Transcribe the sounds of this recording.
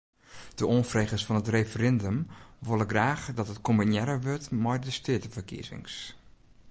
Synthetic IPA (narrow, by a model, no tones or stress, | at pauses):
d̥əonfreːɣəsfɔnətrefərɛndəmʋolˠəɡraːxdɔtətkominjɛɾəʋøtmɛjdəstøətəfəkḭəzɪ̰ŋs